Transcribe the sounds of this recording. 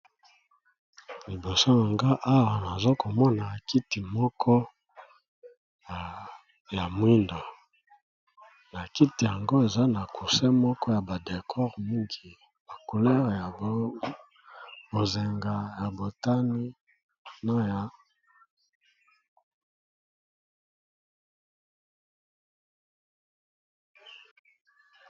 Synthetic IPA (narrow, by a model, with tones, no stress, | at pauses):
li˨bo˨so˦na˨ŋɡa˦ʔa˦wa˨na˨zo˦ko˨mɔ˦na˨ki˦ti˨mɔ˦kʰɔ˦˨ | ja˨mwi˦nda˨ | na˨ki˦ti˨ja˨ŋɡo˦e˨za˦na˨kʰu˨sɛ˦mɔ˦kɔ˦ja˨ba˨de˨kʰɔ˦ʁmi˦ŋɡi˨ | ba˨ku˨lɛ˦ʁja˨˦ | bo˨ze˨ŋɡa˨ja˨bo˨ta˦ni˦ | na˦ja˨˦